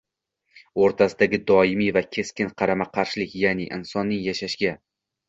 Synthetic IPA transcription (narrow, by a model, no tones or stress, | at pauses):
oɾt̪ʰasɪd̪aɡʲɪd̪ɒɪmivakʲʰe̞skʲɪnqʰɑɾamaqʰɑɾʃɪlɪkʲjanɪʔɪ̰nsɒnːɪŋjaʃaʃɡʲa